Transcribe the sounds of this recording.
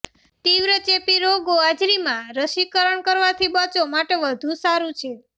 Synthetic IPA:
t̪iʋɾət͡ʃepiɾoɡoad͡ʒɾimãɾəʃikəɾəɳkəɾʋat̪ʰibət͡ʃomaʈeʋəd̪ʱũsaɾũt͡ʃʰe

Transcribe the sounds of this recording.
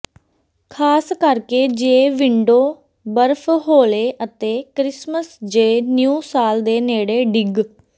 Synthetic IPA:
kʰaːskəɾkeːd͡ʒeːʋɪɳɖoː | bəɾpʰɦoːleːʔət̪eːkɾɪsməsd͡ʒeːnjuːsaːld̪eːneːɽeːɖɪɡ

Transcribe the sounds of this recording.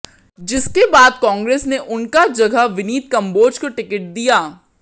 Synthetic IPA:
d͡ʒɪskebaːd̪kɔ̃ːŋɡɾeːsneʔʊnkad͡ʒɐɡəʋɪniːt̪̚kɐ̃mboːd͡ʒkoʈɪkɪʈ̚d̪ijaː

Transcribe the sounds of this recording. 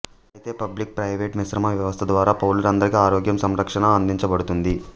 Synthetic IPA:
ɐjit̪e̞ːpɐblik̚pɾɐjʋeːʈmiʃɾɐmɐʋjɐʋɐst̪ʰɐd̪ʋaːɾaːpɐwuluɾɐnd̪ɐɾikiaːɾoːɡjɐmsɐmɾɐkʂɐɳɐːnd̪iɲt͡ʃɐbɐɽut̪und̪i

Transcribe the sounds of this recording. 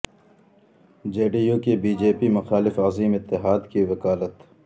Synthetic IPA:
d͡ʒeːɖijoːkebiːd͡ʒeːpimɐxaːlɪfaziːmɪt̪ːɪɦaːd̪kiʋɐkaːlət̪

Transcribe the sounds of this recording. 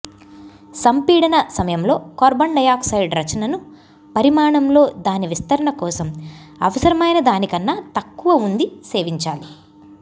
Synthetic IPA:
sɐmpiːɽɐnɐsɐmɐjɐmlo̞ːkɔːɾbɐɳɖɐjaːksɐjɖɾɐt͡ʃɐnɐnu | pɐɾimaːɳɐmlo̞ːd̪aːniʋist̪ɐɾɐɳɐkɔːsɐmɐ̰ʋɐsɐɾɐmɐjnɐd̪aːnikɐnːat̪ɐkːuʋɐund̪ise̞ːʋiɲt͡ʃaːli

